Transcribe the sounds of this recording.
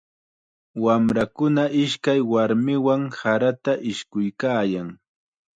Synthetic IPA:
wamɾakʊnaʔɪʃkajwaɾmɪwaŋsaɾat̪aʔɪʃkʊjkaːjaŋ

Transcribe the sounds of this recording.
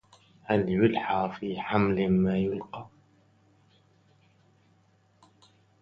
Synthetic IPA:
haljʊlħafiːħamlmaːjʊlqɑː

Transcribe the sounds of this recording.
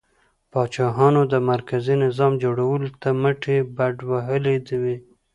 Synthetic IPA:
pɑt͡ʃɑɦɑnod̪əmaɾkazinɪzɑmd͡ʒoɽawəlot̪aməʈebaɖwaɦəled̪əwe

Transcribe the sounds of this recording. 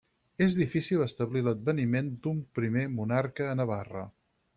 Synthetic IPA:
ezðifisilˠəst̪əβliləd̪̚bənimend̪umpɾimemunarkəːnəβarə̰

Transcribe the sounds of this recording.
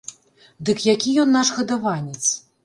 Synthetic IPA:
d̪ɨkjakʲijɔnːaʂɣɐd̪avanʲɛt̪s

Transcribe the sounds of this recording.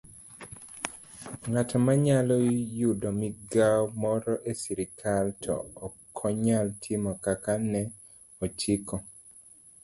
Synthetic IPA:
ŋatɔmaɲalɔjudomiɡawmɔɾɔʔesiɾikʰaltʰɔ̰ːkʰɔɲaltʰɪmɔkakanɛ | ɔt͡ʃikʰɔ

